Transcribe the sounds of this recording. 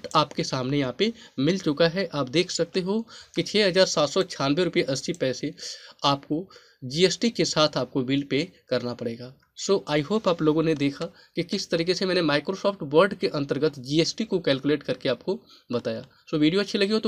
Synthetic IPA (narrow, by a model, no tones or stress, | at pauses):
ʈaːpkesaːmnejɐɦãpemɪlt͡ʃʊkaɦɛʔaːpd̪eːkʰsɐk̚t̪eɦokit͡ʃʰɛːɦɐzaːɾsaːt̪sɔt͡ʃʰaːnʋeɾʊpijeʔɐsːipɛːseaːpko | d͡ʒiːeːsʈikesaːt̪ʰaːp̚kobiːlɖpekɐɾnapɐɽeːɡaː | soːʔaːiɦoːpaːploːɡõned̪eːkʰa | kikɪst̪ɐɾiːkesemɛːnemaːɪkɾosɔːfʰʈʋɐɾɖkeʔɐ̃nt̪əɾɡət̪ʰd͡ʒiːeːsʈikokɛːlkuleːʈkɐɾkeaːp̚ko | bɐt̪aːja̰ː | soːʋiːɖijoɐtːʃʰilɐɡiɦot̪